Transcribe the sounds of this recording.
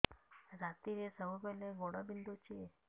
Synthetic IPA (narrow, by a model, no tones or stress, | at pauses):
ɾat̪iɾesəɦupɛleɡoɽabind̪ot͡ʃʰie